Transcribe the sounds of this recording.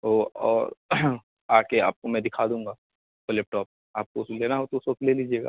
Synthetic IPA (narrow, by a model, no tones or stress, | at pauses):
ɦoɔːɾ | aːkea̰ːp̚komɛ̃d̪ɪkʰad̪ũːŋɡaː | kolɛːp̚ʈɔːp̚ | aːp̚koʊsleːnaɦot̪oʊsʋokleliːd͡ʒieːɡa̰ː